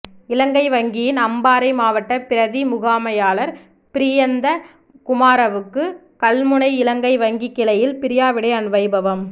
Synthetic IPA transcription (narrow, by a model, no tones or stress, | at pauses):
ɪlɐŋɡɐɪʋɐŋɡɪjɪnɐmbaːɾɐɪmaːʋɐʈːɐpɪɾɐðimʊɣaːmɐjaːlɐɾ | pɪɾɪjɐnd̪ɐ | kʊmaːɾɐʋɯkːɯ | kɐlmɯɳɐɪɪlɐŋɡɐɪʋɐŋɡɪkːɪlɐjɪlpɪɾɪjaːʋɪɽɐɪɐnɯʋɐɪbɐʋɐm